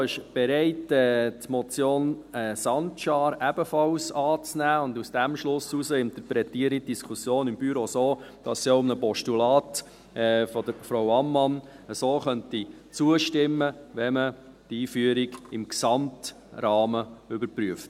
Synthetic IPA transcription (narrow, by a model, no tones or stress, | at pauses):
ɪʃb̥ɛɾɛɪtɛːtmɔt͡sjoːnɛsɑntʃɑːɾæbəfɑlsɑːt͡snæːʊndusd̥æmʃlʊsːusəɪntəɾpɾɛtiəɾit̚d̥iskʰusjoːnɪmbyɾosoːd̥ɑsiʊmnəpɔʃtulɑːtː | fɔd̥əɾfɾowɑmːɑn | əsoːχœnti | t͡suəʃtɪmːəʋɛmə | d̥iːfyəɾiɡɪmksɑmt | ɾɑːməʏbəɾpɾyəft